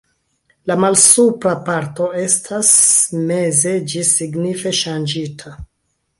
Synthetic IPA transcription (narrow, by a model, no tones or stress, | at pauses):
lamalsupɾapaɾto̞e̞stʰasme̞ze̞d͡ʒisiɡnife̞ʃand͡ʒitʰa